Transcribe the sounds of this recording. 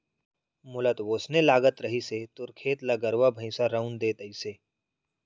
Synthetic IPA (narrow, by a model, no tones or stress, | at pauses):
mʊlət̪ʋoːsnelaːɡət̪ɾɐɦiset̪ʊɾkʰeːt̪lɐɡəɾʋabʱə̃ɪ̃saɾɐʊnd̪eːt̪əiseː